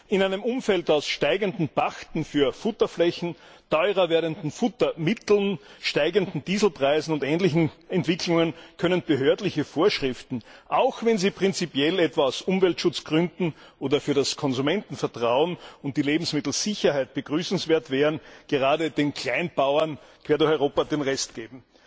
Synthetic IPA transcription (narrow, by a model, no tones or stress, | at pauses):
ʔɪnæɪnəmʊmfɛltaʊsʃtaɪɡəndn̩b̥axtn̩fyːɐfʊtɐflɛçn̩tʰɔʏʁɐveːɐdəndn̩fʊtɐmɪtl̩nʃtaɪɡəndn̩diːzl̩pʁ̥aɪzn̩ʊntɛːnlɪçn̩ɛntv̥ɪkʰlʊŋənkʰœnənb̥əɦøɐtlɪçəfoːɐʃʁɪftn̩ʔaʊxvɛnziːpʁ̥ɪnt͡sipjɛlɛtv̥aaʊsʊmvɛltʃʊt͡sɡ̥ʁʏndn̩ʔoːdɐfyːɐɾaskʰɔnzumɛntn̩fɛɐtʁ̥aʊənʊnt̚d̥iːleːbm̩smɪtl̩z̥ɪçɐhaɪt̚b̥əɡ̥ʁyːsn̩sv̥eːɐtv̥ɛːʁənɡ̥əʁaːdədeːnkʰl̥aɪnb̥aʊɐnkʰv̥eːɐdʊɐxɔʏoːpɐdeːnʁɛstɡ̥eːbm̩